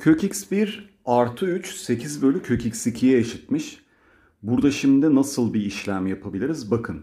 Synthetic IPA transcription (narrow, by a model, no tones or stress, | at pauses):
cʰøcicsbiɾ | aɾt̪ʰɯyt͡ʃse̞cʰizbø̞lʲycʰø̞cʰicsicʰijɛjaʃit̪̚mɯʃ | buɾd̪aʃimd̪ɪnasɯlˠbiːʃlʲæmjapʰabilʲiɾizbakʰɯn